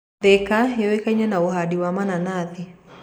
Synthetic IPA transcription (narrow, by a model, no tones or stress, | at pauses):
ðɛkajɔwekaɲanaohadiwamananaði